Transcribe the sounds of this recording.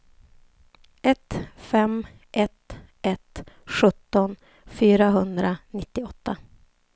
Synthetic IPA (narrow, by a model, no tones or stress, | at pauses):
ʔɛt̪fɛm | ʔɛt̪ | ɛt̪ɧɵt̪ːɔn | fyːɾaɦɵnd̪ɾanɪt̪ːɪɔt̪ːa